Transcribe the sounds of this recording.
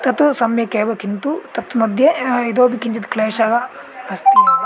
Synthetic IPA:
t̪ɐt̪usɐmjɐkeːʋɐkint̪ut̪ɐt̪mɐd̪ʱjeid̪oːbikiɲt͡ʃɐd̪kleːʃaːɡɐ | ɐst̪i

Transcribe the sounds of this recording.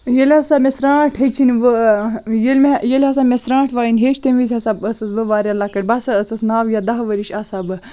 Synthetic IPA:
jelʲɐsamʲesɾãːʈʰɦet͡ʃʰinʋɨjɐlʲmʲjɐlʲɐs̬aːmʲesɾãːʈʰʋaːjinʲɦeːʃt̪ɐmʋizʲhɐsabəsɐsʋɨʋaːɾʲelakɐʈ̚bɐsɐəsɐsnaːʋjad̪ɐɦʋɐɾiʃaːsaːbɨ

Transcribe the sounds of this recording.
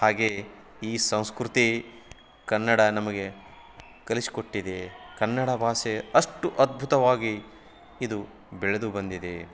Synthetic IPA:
haːɡeː | iːsɐ̃w̃skɾut̪i | kɐnːɐɽɐnɐmɐɡe̞ | kɐlisi̥ko̞ʈːid̪ekɐnːɐɽɐbʱaːseɐʂʈuʔɐd̪̚bʱut̪ɐʋaːɡiː | d̪u | bɛɭed̪ubɐnd̪id̪e

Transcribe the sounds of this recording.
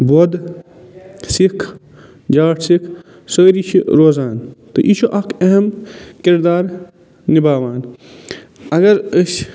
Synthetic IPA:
boːd̪ | sikʰ | d͡ʒaːʈʰsikʰ | soːɾiʃʰiɾoːzaːnt̪o̰ʔiʃoʔɐkʰɐɦɐmkiɾd̪aːɾ | nibaːʋaːn | ɐɡɐɾəs

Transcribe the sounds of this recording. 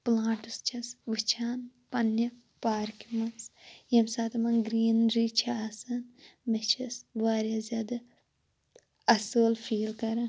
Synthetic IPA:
plãːɳʈɨst͡ʃʰɐsʋɨt͡ʃʰaːnpɐnːɐ | paːɾkimɐnsjɐmsaːt̪ɐmɐnɡɾiːnɾiːt͡ʃʰɐasɐnmet͡ʃʰɐsʋaːɾʲjaːzʲjaːd̪ɐ | ɐsoːlfʰiːlkɐɾɐn

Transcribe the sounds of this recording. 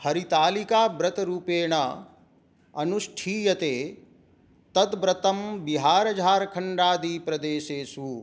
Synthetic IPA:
hɐɾit̪aːlikaːbɾɐt̪ɾuːpeːɳ̃ɐ | ɐnuʃʈʰiːjɐt̪eː | t̪ɐt̪bɾɐt̪ɐmbiɦaːɾɐd͡ʒʱaːɾkʰɐɳɖaːd̪iːpɾɐd̪eːʃeːsuː

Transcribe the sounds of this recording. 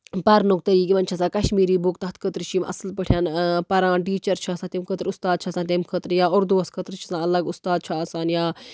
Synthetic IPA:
pɐɾnuk̚t̪ɐiːkiʋɐnt͡ʃʰɐsãːkɐʃmiːɾiːbukt̪ɐɦɐt̪kʰət̪ɾt͡ʃʰimʔɐ̰slpəʈʰjaːnpɐɾãːnʈ̬iːt͡ʃɐɾt͡ʃʰasãːt̪imkʰət̪ɾʊst̪aːd̪̚t͡ʃʰasãːt̪̬imkʰət̪ɾjaːʊɾd̪uɐskʰət̪ɾt͡ʃʰisãːɐlɐɡʊst̪aːd̪̚t͡ʃʰiaːsaːnjaː

